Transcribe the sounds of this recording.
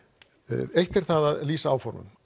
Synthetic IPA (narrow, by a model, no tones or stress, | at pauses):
ejht̪ɛɾ̥θaðaðliːsaaːwfaɾnʏ̰n